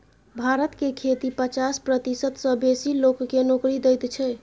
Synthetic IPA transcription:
bʱaɾət̪kekʰet̪ipət͡ʃaspɾət̪isət̪sə̃besilokːenokɾid̪əjt̪t͡ʃʰɛ

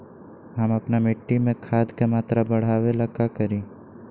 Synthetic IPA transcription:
ɦɐmɐpnamɪʈːimẽkʰaːd̪kamaːt̪ɾabɐɽ̤aːʋelɐkːakɐɾĩː

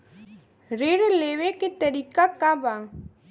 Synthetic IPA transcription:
ɾeɽleʋekit̪ɐɾikakabaŋ

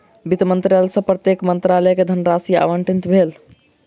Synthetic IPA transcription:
bit̪mənt̪ɾalsə̃pɾət̪jekmənt̪ɾalɛjked̪ʱənɾasija̰ʋəɳʈint̪bʱel

